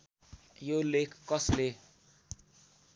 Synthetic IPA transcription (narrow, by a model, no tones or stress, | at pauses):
jolekʰːʌsle